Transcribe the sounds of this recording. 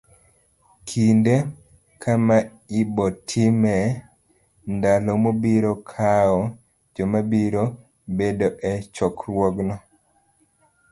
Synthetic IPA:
kʰinde | kʰama | ibɔtʰimɛ | ndalomobiɾokʰaɔ | d͡ʒɔmabiɾo | bedoʔɛt͡ʃɔkɾwɔɡnɔ

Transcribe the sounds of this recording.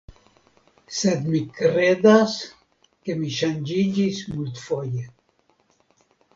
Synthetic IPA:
sed̪mikɾed̪as | kemiʃand͡ʒid͡ʒismult̪foje

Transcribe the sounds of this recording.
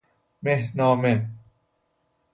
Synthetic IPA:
mehnɔːme

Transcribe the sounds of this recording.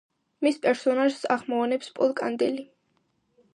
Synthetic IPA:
mispʼɛɾsɔnaʒsaʁmɔanɛpspʼɔlˠkʼand̪ɛli

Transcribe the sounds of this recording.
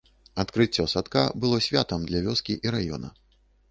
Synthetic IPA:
at̪kɾɨt͡sʲːɔsat̪kabɨlˠɔsʲvʲat̪ɐmd̪lʲɐvʲɔskʲiʔiɾajɔ̰nɐ̰

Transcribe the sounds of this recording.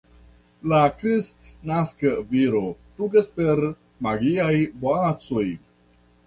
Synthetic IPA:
lakɾistnaskəviɾotuɡespeɾ | maɡiajboat͡soj

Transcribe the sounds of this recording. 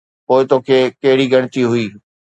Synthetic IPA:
poːɪt̪oːkʰeːkɐɦɪɽiɡɐɽ̃ɪt̪iɦʊiː

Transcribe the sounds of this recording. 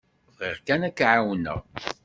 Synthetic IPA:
viʁkænækːʕawnə̰ʁ

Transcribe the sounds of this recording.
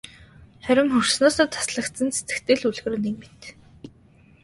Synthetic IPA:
χœɾʲɪ̆ŋxɵr̥snoːsɔːt̪ʰḁsɮə̆kt̪sə̆nse̥t͡s̪ɘ̥̆kt̪eːɮuɮɣɘ̆rnekmet̪

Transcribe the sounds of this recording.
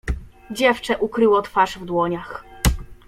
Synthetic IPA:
d͡ʑɛft͡ʂɛʔukɾɘwɔt̪faʐvd̪wɔɲax

